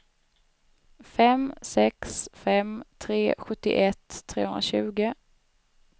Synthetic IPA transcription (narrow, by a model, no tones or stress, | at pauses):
fɛmsɛksfɛmt̪ʰɾeːɧɵt̪ːɪ̰ʔɛt̪ʰːɾeːhɵnɾa̰ɕʉ̟ːɡə